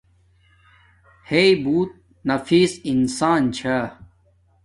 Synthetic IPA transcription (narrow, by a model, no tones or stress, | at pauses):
heibuːt̪̚ | nɐfiːsinsaːnt͡ɕʰɐ